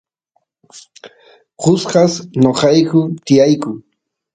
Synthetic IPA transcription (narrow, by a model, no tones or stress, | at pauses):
ɢʊsɢɑsɲoqɑjkʊt̪ɪjajkʊŋ